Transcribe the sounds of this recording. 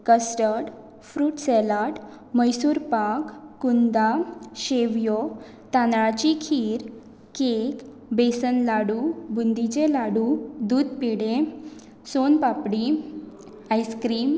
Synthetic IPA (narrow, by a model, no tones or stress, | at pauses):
kəsʈəɽ | fɾuːʈsɛlaʈ | məjsuːɾpakːund̪aɕeʋjɔ | t̪ãnɭat͡ɕikʰiːɾ | kek | besənlaɽubund̪it͡ɕelaɽud̪uːd̪piɽẽ | sonpapɽi | ajskɾiːm